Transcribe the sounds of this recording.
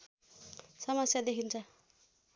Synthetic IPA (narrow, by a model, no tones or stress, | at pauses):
sʌmʌsjad̪ekʰint͡sʰʌ